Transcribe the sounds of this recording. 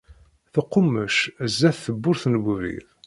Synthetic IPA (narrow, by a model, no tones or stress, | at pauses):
θəqːʊmːəʃzːæθθəbːʊɾθnəwəvɾḭð